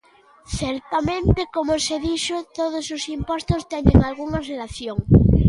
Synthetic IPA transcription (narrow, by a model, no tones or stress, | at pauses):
θeɾt̪amẽnt̪ekomoseðiʃot̪oð̞ososimpost̪ost̪enẽŋalɣuŋarelaθjoŋ